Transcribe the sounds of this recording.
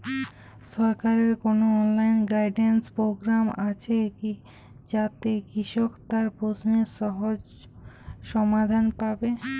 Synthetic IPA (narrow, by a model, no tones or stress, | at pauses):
ʃɔɾkaɾeɾkonoɔnlajnɡajɖenspɾoɡɾamat͡ɕʰeki | d͡ʑat̪ekɾiʃokt̪aɾpɾosneɾʃɔɦod͡ʑ | ʃɔmad̪ʱanpabe